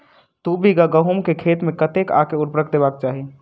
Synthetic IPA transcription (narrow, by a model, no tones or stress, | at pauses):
t̪ubiɡaɡəɦumkekʰet̪mẽkət̪eka̰keuɾpɾəkd̪ebak̚t͡ʃaːɦi